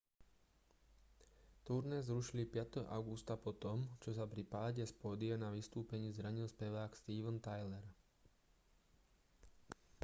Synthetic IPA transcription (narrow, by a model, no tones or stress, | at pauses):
t̪uɾnɛːzɾuʃilipɪat̪ɛɦɔ̰ʔaʊɡust̪apɔt̪ɔmt͡ʃɔsapɾipaːɟɛspɔd̪ianaʋist̪uːpɛɲiːzɾaɲilspɛʋaːkst̪iːʋənt̪ajlɛɾ